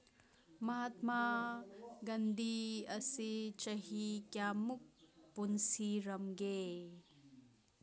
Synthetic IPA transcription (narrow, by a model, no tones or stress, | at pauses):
mɐɦat̪ma | ɡand̪ʱiɐsit͡ʃɐɦikjamuk̚punsiɾɐmɡe